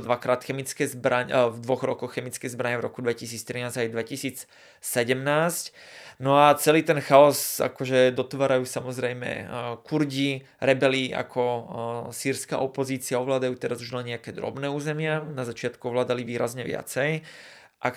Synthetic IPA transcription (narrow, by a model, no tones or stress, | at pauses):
d̪ʋakɾaːt̪xɛmit͡skɛːzbɾaɲvd̪ʋɔɣɾɔkɔxxɛmit͡skɛːzbɾaɲɛvɾɔkud̪ʋɛcis̬iːt͡st̪ɾinaːzɟajd̪ʋɛcisiːt͡s | sɛɟɛmnaːscnɔat͡sɛliːt̪ɛnxaɔza̰kɔʒɛd̪ɔt̪ʋaːɾajuːsamɔzɾɛjmɛ̰kuɾɟi | ɾɛbɛlia̰kʰɔsiːɾska̰ʔɔpɔziːt͡sɪaɔʋlaːd̪ajuːt̪ɛɾazuʒnaɲɛakɛːd̪ɾɔ̰bnɛːuːzɛmɪanazat͡ʃɪat̪kuɔʋlaːd̪aliʋiːɾazɲɛʋɪa̰t͡sɛj | ʔak